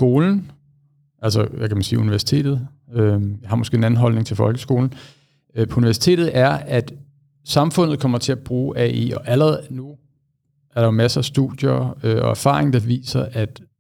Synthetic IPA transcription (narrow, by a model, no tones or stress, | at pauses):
sɡ̥o̝ːln̩ | ʔælsəʋækʰæmænsiːuniʋæɐsi̥t͡sʰe̝̰ːd̥ð̩ˠ | øjɑ̈hɑ̈mɒsɡ̥e̝̰enæn̩ɦɒ̽lne̝ŋt͡sʰe̝lfɒ̽lɡ̥əsɡ̥o̝ːln̩ | pʰɒ̽uniʋæɐsi̥t͡sʰe̝̰ːd̥ð̞̩ˠæɐæd̥ | sɑ̈mfɔ̽n̰ð̩ˠkʰɒ̽m̰ɐt͡sʰe̝æb̥ʁuːʔæḭɒ̽ʔæləʁɛðˠnu | ʔæɐɾɑ̈jomæsɐæsd̥ud̥jɐøɒ̽æɐfɑ̰̈ːʁeŋd̥ɑ̈ʋḭːsɐʔæd̥